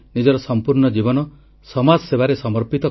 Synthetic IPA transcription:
nid͡ʒɔɾɔsɔmpuɾnɔd͡ʒibɔnɔ | sɔmad͡ʒɔsebaɾesɔmɔɾpit̪ɔ

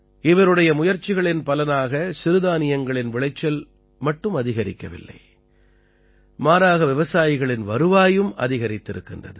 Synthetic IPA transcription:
ɪʋɐɾɯɽɐjɐmʊjɐɾt͡ʃːɪɣɐɭɪnpɐlɐnaːɣɐsɪɾɯðaːnɪjɐŋɡɐɭɪnʋɪɭɐɪt͡ʃːɐl | mɐʈːɯmɐðɪɣɐɾɪ̰kːɐʋɪ̰lːɐ̰ɪ | maːɾaːɣɐʋɪʋɐsaːjɪɣɐɭɪnʋɐɾɯʋaːjɯmʔɐ̰ðɪɣɐɾɪt̪ːɪɾɯkːɪndrɐ̰ðɯ

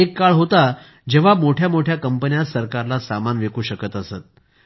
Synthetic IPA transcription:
ekːaɭɦot̪a | d͡ʑeʋ̤amoʈʰjamoʈʰjakəmpənjasəɾkaɾlasamanʋekuːɕəkət̪əset̪̚

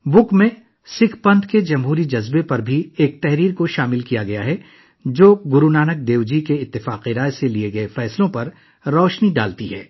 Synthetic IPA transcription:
bʊkmẽ | sɪkʰpɐ̃nt̪ʰked͡ʒɐmɦuːɾid͡ʒɐzbepɐɾbʱieːk̚t̪ɛɦɾiːɾkoʃaːmɪlkijaɡɐjaɦɛ | d͡ʒoːɡʊɾunaːnək̚d̪eːʋd͡ʒikeɪt̪ːɪfaːqiɾaːjselieɡɐefɛːslõpɐɾ | ɾɔːʃniɖa̰ːlt̪iɦɛː

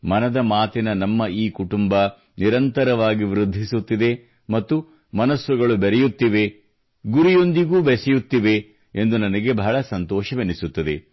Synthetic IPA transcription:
mɐnɐd̪ɐmaːt̪inɐnɐmːɐiːkuʈumbɐ | niɾɐnt̪ɐɾɐʋaːɡiʋɾud̪ʱːisut̪ːid̪e̞ | mɐt̪ːu | mɐnɐsʋuɡɐɭubɛɾɛjut̪ːiʋe̞ | ɡuɾijo̞nd̪iɡuːbesɛjut̪ːiʋe̞ | end̪unɐnɐɡe̞bɐɦɐɭɐsɐnt̪ɔːʃɐʋenisut̪ːɐd̪e̞

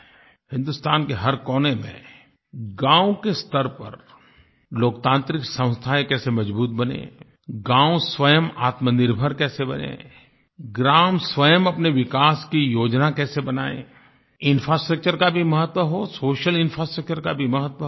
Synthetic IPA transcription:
hɪ̃nd̪ʊst̪aːnkeɦɐɾkɔːnemḛ̃ | ɡãːũkest̪əɾpɐ̰ɾ | loːkt̪ãːnt̪ɾɪksə̃w̃st̪ʰaekɛːsemɐd͡ʒbuːt̪̚bɐnḛ̃ː | ɡãːũswəjəmaːt̪mənɪɾbʱəɾkɛːsebɐ̰nḛ̃ː | ɡɾaːmsʋəjəmɐpneʋɪkaːskijoːd͡ʒnakɛːsebɐnaːḛ̃ | ɪ̃nfɾaːsʈɾək̚t͡ʃəɾkabʱimɐɦət̪wəɦosoːʃəlɪnfɾasʈɾək̚t͡ʃəɾkabʱimɐɦət̪wə

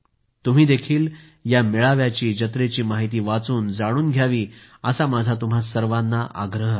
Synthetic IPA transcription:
t̪um̤iːd̪ekʰiːl | jamiɭaʋjat͡ɕiːd͡ʑət̪ɾet͡ɕiːmaɦit̪̬iːʋat͡suːnd͡zaɽ̃uːnɡʱjaʋiːəsamad͡zʱat̪um̤asəɾʋanːaʔa̰ɡɾəɦ

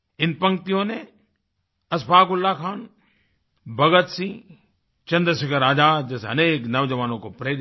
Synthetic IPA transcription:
ɪnpɐ̃ŋk̚t̪ijõne | ɐspʰaːkʊlːakʰaːn | bʱɐɡət̪si | t͡ʃɐ̃nd̪ɾəsɐkəɾaːd͡ʒ̪aːd͡ʒesɐneːknɐʋd͡ʒɐʋaːnõkopɾeːɾ

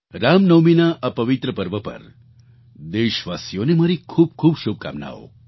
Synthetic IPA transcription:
ɾamnəwminaʔapəʋɪt̪ɾəpəɾʋəpə̰ɾ | d̪eʃʋasjonemaɾikʰuːb̚kʰuːbʃub̚ka̰mna̰o̰

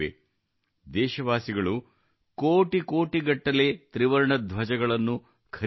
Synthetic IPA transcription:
ḛ | d̪ɛːʃɐʋaːsiɡɐɭu | koːʈikoːʈiɡɐʈːɐle̞ːt̪ɾiʋɐɾɳɐd̪ʱʋɐd͡ʒɐɡɐɭɐnːu | kʰɐ

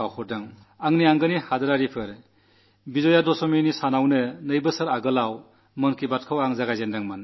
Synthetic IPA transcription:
awhɔɾdaŋ | aŋniaŋɡɯnihadɯɾaɾipʰɯɾ | bizɔjadɔsɔminisanawnɯnɯjbɯsɯɾaɡɯlaw | mɯnkibat̚kʰɯwaŋzaɡajzendaŋman

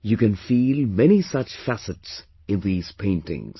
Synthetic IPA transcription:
jɨkɨ̃nfiːlmɛñisʌt͡ʃfæsɨts | ɨ̃nðiːz̥pʰẽɪ̃ntɪ̰̃ŋz̥

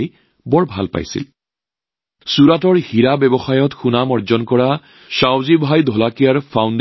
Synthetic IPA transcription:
j | bɔɹbʱa̰lpa̰jsḭl | suɹatɔɹhiɹabɛbɔxajɔtxunamɔɹzɔnkɔɹa | ʃawzibʱajdʱɔlakijaɹpʰawnd

